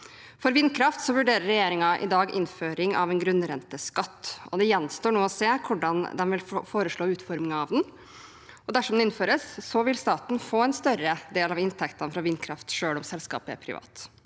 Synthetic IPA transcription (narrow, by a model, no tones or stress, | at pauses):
fɔɾʋɪnːkʰɾɑft̪sɔʋʉɖeːɾəɾːɛjeːɾɪŋɑʔɪ̰d̪ɑːɡɪ̰nføːɾɪŋɑ̰ʋɛnɡɾʉnɾɛnt̪əskɑt̪ːɔd̪ɛjɛnːst̪oːɳoːɔseːkʰʊɖɑnd̪ɛnʋɪlfoːɾəʂɭoːʉːt̪fɔɾmɪŋɑʋd̪n | ɔd̪æʂɔmd̪ɛɪnføːɾəssɔʋɪlst̪ɑːt̪n̩foːɛnst̪œɾəd̪eːlɑʋɪnt̪ʰɛkt̪ɑnfɾɑʋɪnːkʰɾɑft̪ʂøːɭɔmsɛlskɑ̰ːpəɛ̰ɾpʰɾɪ̰ʋɑ̰ːt̪